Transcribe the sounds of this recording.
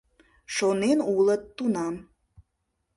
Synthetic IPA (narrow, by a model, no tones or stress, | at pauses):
ʃonenulət̪ːunɑm